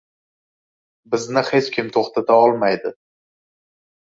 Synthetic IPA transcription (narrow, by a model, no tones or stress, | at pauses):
bɪznɪhet͡ʃkʲʰɪmt̪ʰoχt̪ʰat̪ʰaɒlˠmajd̪ɪ